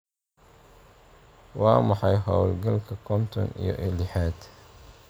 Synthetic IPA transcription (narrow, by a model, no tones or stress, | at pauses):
wɑːmɑħɑjɦɔwlɡɐlkʰɐkʰɔnt̪ʰɔ̰nḭjɔ̰ʔɪlɪħaːd̪